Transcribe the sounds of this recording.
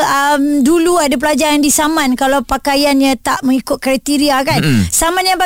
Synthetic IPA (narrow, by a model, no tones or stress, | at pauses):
əmduluadap̬əlad͡ʒaɾandisamãnkalawpakajanɲãt̪aʔmə̃ŋikʊt̪̚kɾat̪iɾiakansamãnjaŋpa